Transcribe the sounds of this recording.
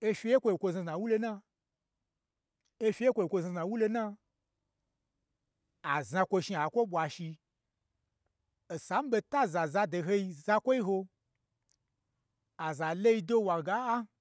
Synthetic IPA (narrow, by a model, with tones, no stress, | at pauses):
e˧fʲi˧je˦kʷo˧i˨kʷo˧za˧za˨wu˦lo˧na˧ | e˧fʲi˧˦e˦kʷo˧i˨kʷo˧za˧za˨wu˦lo˧na˦˧ | a˨zã˧kʷo˧ʃi˧a˨kʷo˦ɓʷa˧ʃi˧ | o˨sa˨˦m̩˦ɓe˧ta˦za˨za˧do˧˨ɦe˧i˧za˧kʷo˦i˦ɦo˧ | a˨za˨le˦i˧do˦wa˨ɡa˨˦a˦